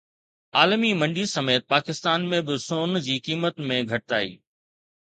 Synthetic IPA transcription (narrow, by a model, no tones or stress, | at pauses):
aːlmimɐ̃ɳɖisɐmeːt̪̚paːkɪst̪aːnmẽbɪsoːnd͡ʑiːkiːmət̪mẽɡʱɐʈɪt̪aːḭː